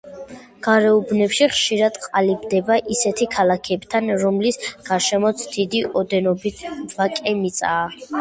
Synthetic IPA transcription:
ɡ̥aɾɛubnɛpʃiχʃiɾad̪̥qʼalibd̪ɛbaʔisɛt̪ʰikʰalˠakʰɛbt̪ʰanɾɔmlisɡ̥aɾʃɛmɔt̪sʰd̪̥id̪iʔɔd̪ɛnɔbit̪ʰvakʼɛmit̪sʼaː

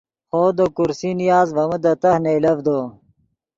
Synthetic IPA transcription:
χoːd̪okuɾsinijaːzʋɐməd̪ɐt̪ɐhneilɐvd̪oː

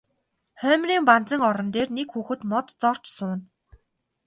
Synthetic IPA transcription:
χœːmriːmpant͡sə̆ŋɔɾɞ̆nt̪eːrnekxuːxɘ̆t̪mɔt̪t͡sɔr̥t͡ɕsʊːn

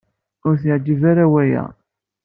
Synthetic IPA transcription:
ʊɾθiʕd͡ʒivaɾawæjæ̰

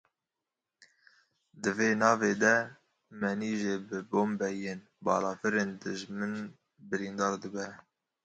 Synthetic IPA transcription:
d̪ɨveːnɑːveːd̪ɛ | mɛniːʒeːbɨboːmbɛjeːn | bɑːlɑːfɨɾeːnd̪ɨʒmɨn | bɨɾiːnd̪ɑːɾd̪ɨbɛ

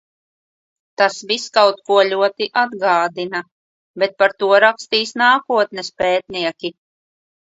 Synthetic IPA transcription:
t̪asviskawt̪̚kuɔlʲuɔt̪iʔad̪ɡaːd̪ina | bɛt̪̚paɾt̪uɔɾakst̪iːsnaːkuɔt̪nespɛːt̪̚niɛkʲi

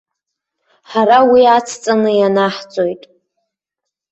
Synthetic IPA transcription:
ħaɾawiat͡sʰt͡sʼanɨjanaħt͡sʼo̞jtʼ

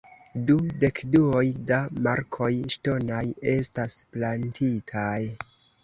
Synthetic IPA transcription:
dude̞kduo̞jdamaɾkʰo̞jʃto̞naje̞stasplantʰitʰaj

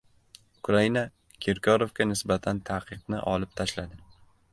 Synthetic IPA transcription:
ʊkɾaina | kʲʰeɾkʲʰɒɾovkʲanɪsbat̪ʰant̪ʰaqʰɨqnɪ̰ʔɒ̰lˠɪp̚t̪ʰaʃlad̪ɪ

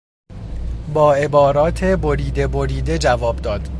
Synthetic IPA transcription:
bɒːe̞bɒːɾɒːt̪ʰe̞bo̞ɾiːd̪e̞boɾiːd̪e̞d͡ʒævɒːbd̪ɒːd̪̥

